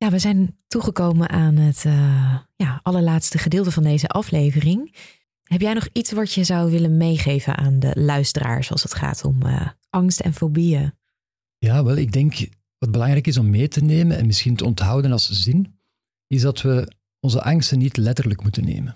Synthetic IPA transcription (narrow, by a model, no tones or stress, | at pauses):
jaːʋəzɛjntuχəkowmənʔaːnɦətəjaːɑləɹlaːtstəχədɪːlˠtəvɑndejzəʔɑflejvərɪŋ | ɦɛpjɛjnɔχitsʋɑtjəzɑwʋɪlənmejχejvə̰nʔaːndə̰lœɥstəra̰ːɹsɑ̰lˠsətχa̰ːtʰɔ̰mə̰ʔɑŋstɛ̰nfobijə | jaːʋɛlˠɪɡ̚dɛŋk | ʋɑd̚bəlɑŋɾɛjkɪsɔmːeːtəneːmənɛ̰nmɪsxintəɔntɦɑwdənɑlˠszɪn | ɪzdɑtʋə | ɔnzəʔɑŋstənːitlɛtərləkmutənːḛːmən